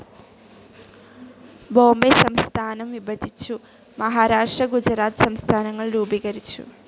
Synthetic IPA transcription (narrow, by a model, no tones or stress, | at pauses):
bo̞ːmbesɐmst̪ʰaːnɐmʋibɐd̪ʱit͡ɕːu | mɐɦaːɾaːʂʈrɐɡud͡ʑɾaːt̪sɐmst̪ʰaːnɐŋːɐɭruːbiɣɐɾit͡ɕːṵ